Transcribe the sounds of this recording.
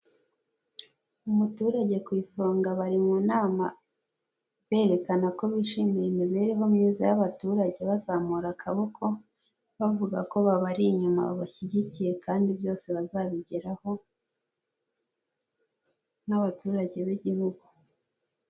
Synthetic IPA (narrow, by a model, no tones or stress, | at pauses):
umutuːɾaɟe̞kwiːso̞ːŋɡaβaɾimunaːma̰ | βe̞ːɾe̞kanako̞βiːʃiːmiɾemiβe̞ːɾeɦo̞mɲiːzajaβatuːɾaɟe̞βazaːmuɾakʰaβokʰo̞ | βavuɡako̞βaβaɾiɲuma̰βa̰βaçiɟicije̞kaːndiβjo̞ːse̞βazaβiɟeɾaho̞ | naβatuːɾaɟe̞βiɟihuɡu